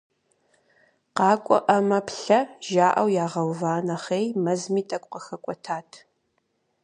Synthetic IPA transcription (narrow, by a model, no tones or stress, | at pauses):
qɑːkʷʼɔ̰ʔɐmɐpɬɐʒaːʔɐwjaːʁɐwvaːnɐχejmɐzmiːtʼɐkʷʼqɐxɐkʷʼɔtʰaːtʰ